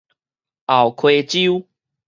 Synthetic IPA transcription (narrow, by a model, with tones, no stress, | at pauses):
a˨wkʰwe˧t͡ɕi˦u